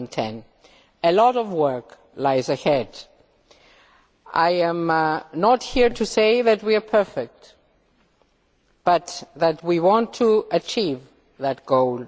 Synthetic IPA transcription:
ntʰɛ̰̃n | ɨlɔɾɔvwɜ˞k | laɪzɨhɛd | a̰ɪɨ̃mnət̚hiɹtʰɨseɪðɨt̚wiə˞pʰɜ˞fɛk̚t | b̥ʌt̪ðæt̚wiwɑ̃ntʰuɨt͡ʃʰiv | ðɨt̚ɡ̥oʊl

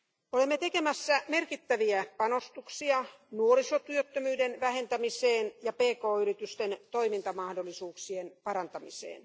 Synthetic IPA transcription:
olemːet̪ekemæsːæmerkit̪ːæʋiæpɑnost̪uksiɑ | nuorisot̪yøt̪ːømyːdenʋæhent̪æmiseːnjɑpeːkoːyrit̪yst̪ent̪oimint̪ɑmɑhdolːˑisuːksienpɑɾɑnt̪ɑmisḛːn

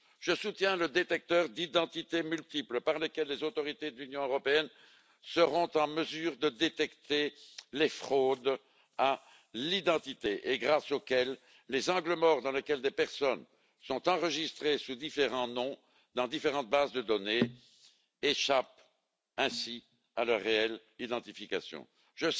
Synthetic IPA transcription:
ʒəsut̪jɛ̃ləd̪et̪ɛk̚t̪œːʁd̪id̪ɑ̃t̪it̪emylt̪ipləpaʁlekʲɛlːezot̪ɔʁit̪ed̪əlynjɔ̃øʁɔpeɛn | səʁɔ̃t̪ɑ̃məzyːʁd̪əd̪et̪ɛkt̪elefχod̪ | a | lid̪ɑ̃t̪it̪eʔeɡʁasokʲɛlː | ezɑ̃ɡləmɔʁd̪ɑ̃lekʲɛld̪epɛʁsɔn | sɔ̃t̪ɑ̃ʁəʒist̪χesud̪ifeʁɑ̃nɔ̃ | d̪ɑ̃d̪ifeʁɑ̃t̪̚bazd̪əd̪ɔne | eʃap̚ | ɛ̃si | alœʁːeɛl | id̪ɑ̃t̪ifikasjɔ̰̃ | ʒə

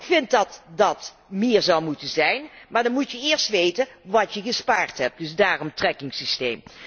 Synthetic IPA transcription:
ɪkfɪnt̚dɑtdɑt | mɪːɹzɑwmutənzɛjnmaːɹdɑnmutjəɪːɹstʋejtənʋɑtjəɣəspaːɹtɦɛp̚dɵsdaːrɔmtrɛkɪŋsistejm

